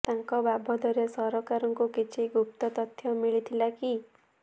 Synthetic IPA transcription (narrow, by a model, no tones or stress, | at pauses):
t̪aŋkɔbabʱɔd̪ɔɾesɔɾɔkaɾɔŋkukit͡ʃʰiɡup̚t̪ɔt̪ɔt̪ʰjɔmiɭit̪ʰilaki